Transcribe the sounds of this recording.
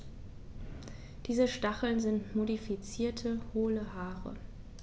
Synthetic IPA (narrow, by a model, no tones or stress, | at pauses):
d̥iːzəʃtaχl̩nzɪntmodifit͡siːɐtʰəhoːləhaːʁə̰